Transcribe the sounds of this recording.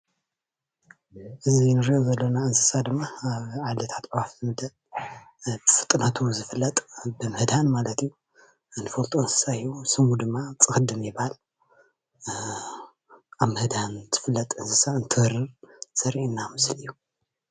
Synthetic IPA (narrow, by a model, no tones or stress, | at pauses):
ʔɨzinɨɾiʔozɐlːonaɨnsɨsad̪ɨmːaaβʕalit̪ʰḁt̪wafɨmɨd̪ɐl | bɨfɨt̪ʼɨnat̪ʰuzɨfɨlːɐt̪ʼbɨmɨhd̪hanmalɐt̪iju | nɨfɐlt̪ʼoɨnsɨ̥sajːusɨmud̪ɨmːat͡sʼɨxɨd̪ɨmjɪbhal | ʔaβmɨhd̪hanzɨfɨlːɐt̪ʼɨnsɨsaɨnt̪ʰɨhɨɾɨɾsɐɾinːamɨslijːu